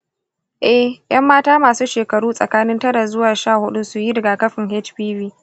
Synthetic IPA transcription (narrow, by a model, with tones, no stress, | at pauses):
ʔɛ˦hj̰ʔɐ˦mːaː˦taː˦maː˨suː˦ʃeː˨kɐ˨ɽuː˦sʼɐ̰˨kaː˦nɪ˦ntɐ˦ɽa˨zʊ˦waː˨ʃaː˦˨hʊ˦ɗu˦sʊ˨ji˦dɐ˨ɡaː˨kɐ˦ɸɪ˨ŋhɛ˦t͡ʃbiː˦biː˦